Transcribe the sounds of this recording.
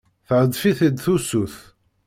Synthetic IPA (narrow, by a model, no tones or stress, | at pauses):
θəʕəd̪fiθid̪θusuθ